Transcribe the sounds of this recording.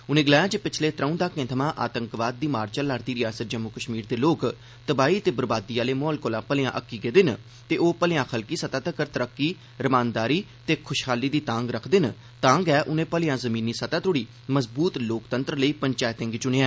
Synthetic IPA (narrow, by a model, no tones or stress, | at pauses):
ʊnẽːɡɪlaːjãːd͡ʒəpɪt͡ʃʰleːt̪ɾə̃ũːd̪aːkẽːt̪ʰəmãːʔaːt̪əŋkʋaːd̪̚ːiːmaːɾt͡ʃəlaːɾd̪iːɾɪjaːsət̪̚d͡ʒəmːʊkəʃmiːɾd̪eːloːk | t̪əbaːiːt̪eːbəɾbaːd̪iːaːleːmɔːlkoːlãːpəlɪjãːʔəkːiːɡeːd̪ɪn | t̪eːʔoːpəljãːxʰəlkiːsət̪aːt̪əkəɾt̪əɾəkːiː | ɾəmaːnd̪aːɾiː | t̪eːkʰʊʃkʰaːliːd̪iːt̪ãːŋɡɾəkʰd̪ɪn | t̪ãːŋɡɛːʔʊnẽːpəljãːzəmĩːnːiːsət̪aːt̪ʊɽiː | məzbuːt̪loːkt̪ənt̪ɾələiːpəɲt͡ʃaːjt̪ɪ̃ŋɡt͡ʃʊneːɛ̃ː